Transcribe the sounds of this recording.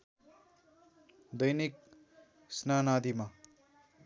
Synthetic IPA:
d̪ʌjnik̚ | snanad̪ima

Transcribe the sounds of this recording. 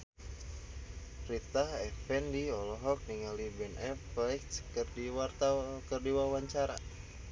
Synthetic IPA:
rit̪ahɛfɛndiɔlɔɦɔk̚niŋalibɛnʔɛplɛkskərdiwart̪akərdiwawaɲt͡ʃaɾa̰

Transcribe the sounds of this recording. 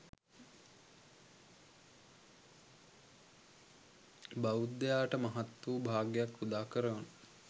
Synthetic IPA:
baud̪ːejaːʈəmɐɦat̪wuːbʱaːɡejakːud̪aːkəɾəʋanə

